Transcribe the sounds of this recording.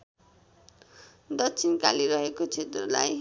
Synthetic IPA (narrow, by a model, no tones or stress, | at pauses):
d̪ʌtt͡sʰinka̰liɾʌɦekot͡sʰet̪rʌla̰j